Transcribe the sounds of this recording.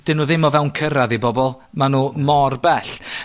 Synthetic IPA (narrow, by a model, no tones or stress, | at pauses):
d̥ɪnuːðɪmɔvɛwnkʰəɾaðibɔbɔlˠ | manuːmɔrbɛɬ